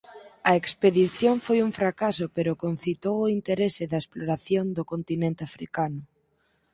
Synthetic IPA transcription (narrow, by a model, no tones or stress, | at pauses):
ɐekspeðiθjoɱfojuɱfɾakasʊpeɾʊkon̟θit̪owoint̪eɾesɪðɐesploɾaθjond̪ʊkont̪inẽnt̪eafɾḭkanʊ